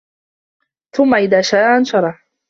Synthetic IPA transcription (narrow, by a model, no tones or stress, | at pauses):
θʊmːaʔɪðaːʃaːʔanʃɑɾˤɑħ